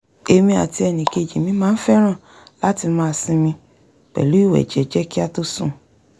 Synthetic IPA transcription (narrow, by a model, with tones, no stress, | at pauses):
e˧mĩ˧a̰˨ti˧ɛ˧˨nĩ˨ke˨d͡ʒĩ˨mĩ˨˦mãː˦n̩˦fɛ˦ɾ̃ã˦˨ | la˦ti˧mãː˦˧˨sĩ˧mĩ˧ | k͡pɛ̰˨lu˨˦i˦˨wɛ̰˨d͡ʒɛ˨˦d͡ʒɛ˦ki˦a˧to˦sṵ̃˦˨